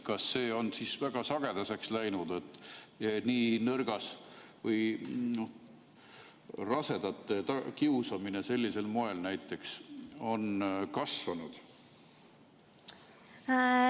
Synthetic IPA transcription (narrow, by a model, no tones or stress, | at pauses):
kɑsːe̞ːo̞nsiːsvæɡ̥ɑsɑɡ̥e̞d̪ɑse̞kslæjnud̪̥e̞t̪ːˑniːnɤrɡ̥ɑsvɤjnoh | rɑse̞d̪ɑt̪ːˑet̪ɑkiusɑmine̞se̞lʲːise̞lmo̞e̞lnæjt̪ːˑe̞kso̞nkɑsvɑnud̪̥